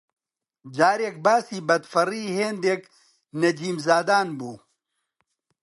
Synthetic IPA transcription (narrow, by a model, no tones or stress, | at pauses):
d͡ʒaːɾeːk̚baːsiːbɐd̪fɐriːheːnd̪eːk | nɐd͡ʒiːmzaːd̪aːnbuː